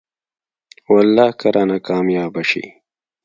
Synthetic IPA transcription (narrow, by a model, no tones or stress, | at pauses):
wɐlːaːkɐɾʔaːnakaːmjaːbɐɕḭ